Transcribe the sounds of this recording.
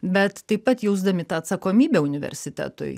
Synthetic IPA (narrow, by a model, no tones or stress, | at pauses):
bʲɛt̪t̪ɐɪpɐt̪jɛʊzd̪ɐmʲɪt̪ɑɐt̪sɐkoːmʲiːbʲɛʊnʲɪʋʲɛ̰ɾʲsʲɪt̪ʲæ̰ːt̪ʊ̰j